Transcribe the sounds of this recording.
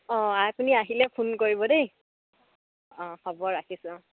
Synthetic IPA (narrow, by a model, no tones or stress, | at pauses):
ɔ̃apuniaɦilɛpʰunkoɹibɔdej | ɔ̃xɔbɔɹakisʊ̃